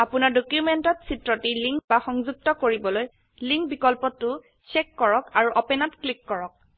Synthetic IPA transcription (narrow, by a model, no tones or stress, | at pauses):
apʊnaɹdokjumentɔtsitɹɔtiliŋkbaxɔŋzuk̚tɔkoɹibɔloj | liŋkbikɔlpɔtːʊ | sekːɔɹɔkaɹuʔɔpɛnatklikːɔɹɔk̚